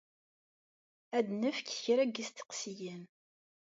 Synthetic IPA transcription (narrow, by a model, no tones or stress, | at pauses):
æd̪nəfkçɾæɡist̪ə̥qsijən